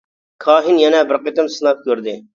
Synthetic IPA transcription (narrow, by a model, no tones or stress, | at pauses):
kʰɑːɦɪnjɛnɛbɪɾqet̪ɪmsɨnɑt̪̚kʲʰøɾd̪ɪ